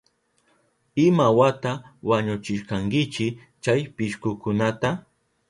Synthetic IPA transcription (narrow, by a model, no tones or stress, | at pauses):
ɪmawat̪awaɲʊt͡ʃɪʃkaŋkɪt͡ʃɪ | t͡ʃajpɪʃkʊkʊnat̪a